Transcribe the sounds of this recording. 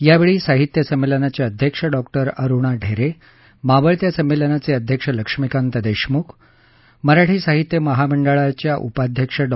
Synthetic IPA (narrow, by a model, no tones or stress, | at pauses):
jaʋeɭiːsaɦit̪jəsəmːelənat͡ɕjaəd̪ʱjəkʂəɖɔkʈəɾəɾuɳaɖʱeɾe | maʋəɭt̪jasəmːelənat͡seəd̪ʱjəkʂələkʂmikant̪əd̪eɕmukʰ | məɾaʈʰiːsaɦit̪jəməɦaməɳɖəɭat͡ɕjaʔṵpad̪ʱjəkʂəɖ